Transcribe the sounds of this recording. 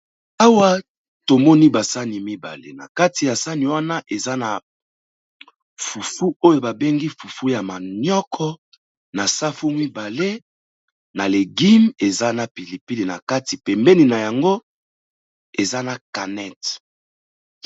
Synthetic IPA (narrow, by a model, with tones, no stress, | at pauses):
a˦wa˦ | to˨mɔ˦ni˦ba˨sa˦ni˨mi˦ba̰˨lḛ˦na˨ka˦ti˨ja˨sa˦ni˨wa˦na˦ʔe˨za˦na˨ | fu˨fu˦o˦jo˨ba˨be˦ŋɡi˦fu˨fu˦ja˨ma˨njɔ˦kʰɔ˦ | na˨sa˦fu˦mi˦ba˨le˦ | na˨le˨ɡi˦me˨za˦na˨pi˨li˨pi˦li˨na̰˨ka˦ti˨pɛ˨mbɛ˦ni˨na˨ja˨ŋɡo˦ | e˨za˦na˨ka˨nɛ˦t